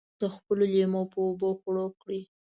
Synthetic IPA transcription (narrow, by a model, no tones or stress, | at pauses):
d̪̥əxpəlolemopəːboxɽokɽi